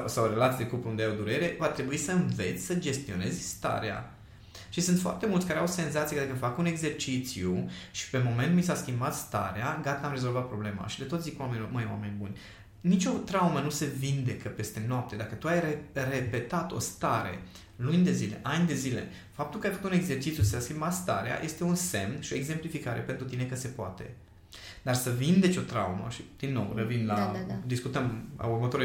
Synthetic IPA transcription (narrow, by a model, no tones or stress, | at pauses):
sawɾe̞lat̪id̪ekupund̪ejawd̪uɾe̞ɾe̞vat̪ɾe̞buisəɨnve̞̰t̪sʲsəd͡ʒe̞st̪io̞̰ne̞zʲst̪a̰ɾea̰ | ʃisɨnt̪foa̰rt̪e̞mult̪sʲkaɾeawse̞nzat̪sijeəd̪akəfakune̞ɡze̞rt͡ʃit̪sijuʃi̥pe̞mo̞me̞nt̪mis̬askʲimbat̪st̪a̰ɾeaɡat̪əamɾe̞zo̞lvat̪̚pɾo̞ble̞ma̰ʃid̪e̞t̪ozikwamenʲloməjewame̞nʲbunʲ | nit͡ʃʲo̞t̪ɾawmənuse̞vind̪e̞kəpe̞st̪e̞noap̚t̪e̞d̪akət̪uajrere̞pe̞t̪at̪o̞̰st̪aɾe̞̰ | lunʲd̪e̞zile̞̰ʔanʲd̪e̞zile̞̰ | fap̚t̪ulkəajfəkut̪uneɡze̞rt͡ʃit̪sjusiseaskimbat̪st̪a̰ɾea̰jʔe̞st̪e̞unse̞mnʃio̞eɡze̞mplifikaɾe̞̰pe̞nt̪ɾut̪ine̞kəse̞poa̰t̪e̞ | d̪arsəvind̪e̞t͡ʃo̞t̪ɾawmə̰ʃid̪̥inːo̞̰wrəvinlad̪iskut̪əma̰urmət̪oɾ